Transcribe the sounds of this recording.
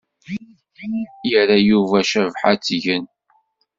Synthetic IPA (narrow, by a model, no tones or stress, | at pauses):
kːinjəɾæjuvæʃævħat͡sːʝən